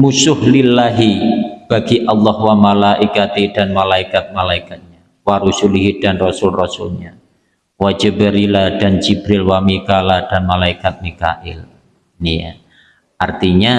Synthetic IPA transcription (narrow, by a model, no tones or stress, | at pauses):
musʊhlɪlːaɦib̥aɡiʔɑlːɔhwamalaʔikat̪idanmalaikat̪̚malaikat̪̚ɲa | waɾusuliɦid̥anrɔsʊlrɔsʊlɲa | wad͡ʒəbəɾiladant͡ʃibɾɪlwamikalad̥anmalaikat̪̚mika̰ʔɪ̰l | nija̰ | ʔart̪iɲa